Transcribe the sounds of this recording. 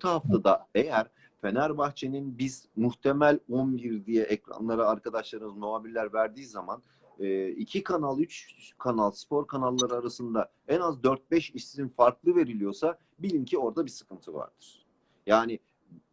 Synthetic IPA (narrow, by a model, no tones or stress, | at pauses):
t̪ʰaɦaft̪ʰad̪aejæɾ̥ | fe̞næɾbaxt͡ʃʰe̞ninbiz̥muxt̪ʰe̞mælʲonbiɾd̪ijɛʔɛcɾa̰nlˠaɾaaɾkad̪aʃlˠaɾɯmɯzmoaːbilːʲæɾvæɾd̪iːzaman | ɯːicʰikʰanalˠyt͡ʃkʰanalˠspʰo̞ɾkʰanalˠːaɾɯaɾasɯnd̪a | ɛnazd̪øɾt̪̚bɛʃiʃininfaɾklˠɯve̞ɾilʲijo̞sa | bilʲimcʰio̞ɾd̪abisɯ̥kʰɯnt̪ʰɯva̰ɾd̪̥ɯɾ̥ | jaːnɪ